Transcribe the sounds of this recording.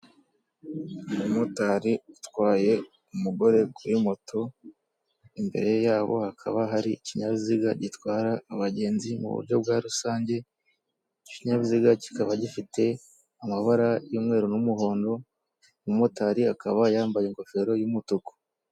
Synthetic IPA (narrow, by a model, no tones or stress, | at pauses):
mumotaɾiutwaːje̞ | umuɡo̞ɾe̞kuwimo̞tʰo̞ | imbe̞̰ɾe̞jaːβo̞̰hakʰa̰βaɦaɾiiciɲaβiziɡaɟitwaːɾaːβaɟe̞ːnzimṵβṵɾɟo̞b̚ɡaɾusaːɲɟe̞ | iciɲaβiziɡaci̥kaβaɟifite̞ | amaβaɾajuːmŋe̞ːɾonumuho̞ːndo̞ | mumotaɾiakaβajaːmbajeŋko̞fe̞ɾo̞jumutuko̥